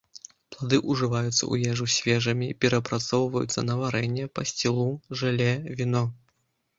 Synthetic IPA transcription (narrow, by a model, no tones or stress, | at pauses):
plˠad̪ɨʔuʐɨvajut̪sːɐ̰ʔṵjɛʐusʲvʲɛʐɐmʲipʲɛɾɐpɾat̪sɔwvɐjṵt̪sːɐ̰nɐvaɾɛnʲːɛpɐsʲt͡sʲilˠuʐɨlʲɛvʲinɔ